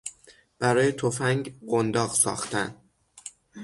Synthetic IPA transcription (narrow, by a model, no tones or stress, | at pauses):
b̥æɾɒːjet̪ʰofæŋɡɢond̪ɒːɣsɒ̰ːxt̪ʰænd̪